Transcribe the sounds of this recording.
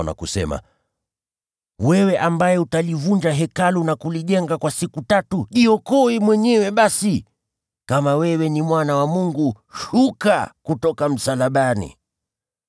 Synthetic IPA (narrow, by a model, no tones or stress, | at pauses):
na̰kusɛ̰ma̰ | wɛwɛʔambajɛutalivund͡ʒaɦɛkalunakuliʄɛŋɡakwasikutatuʄiɔkɔimwɛɲɛwɛɓasi | kamawɛwɛnimwanawamuŋɡu | ʃuka̰kutɔkam̩salaɓanḭ